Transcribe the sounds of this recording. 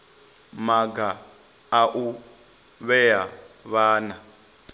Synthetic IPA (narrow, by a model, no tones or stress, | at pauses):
maɡa | aʔu | βɛjaβaːna